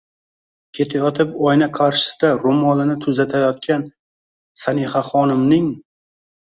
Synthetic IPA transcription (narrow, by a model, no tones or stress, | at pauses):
kʲʰe̞t̪ʰajɒt̪ʰɪpɒjnaqʰaɾʃɪ̥sɪd̪aɾʊmɒlˠɪnɪt̪ʰʊzat̪ʰajɒt̪̚kʲʰan | sanehaχɒnɪmnɪŋ